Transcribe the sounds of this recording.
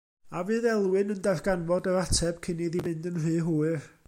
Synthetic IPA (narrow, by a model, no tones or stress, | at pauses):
avɨːðɛlˠwɨnəndaθɡ̥anvɔdəɾatʰɛb̥kʰɪniðivɨndənrɨːɦuːɨr